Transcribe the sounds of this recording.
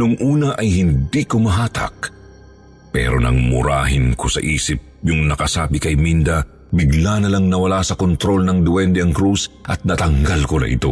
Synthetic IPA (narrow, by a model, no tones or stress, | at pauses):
nʊŋʔuːnɐʔɐjhɪnd̪ikomɐɦaːt̪ʰɐ̰k̚ | pɛ̰ɾonɐ̰ŋmʊ̰ɾa̰ːɦɪnkosɐ̰ʔiːsɪp̚jʊŋnɐkɐsaːbɪkɐjmind̪ɐ | bɪɡlanɐlaŋnɐwɐlasɐkont̪ɾo̞lnɐŋd̪ʊwɛnd̪ɛɐŋkɾusʔɐt̪̚nɐt̪ɐŋɡalkonɐ̰ʔɪ̰t̪o̞̰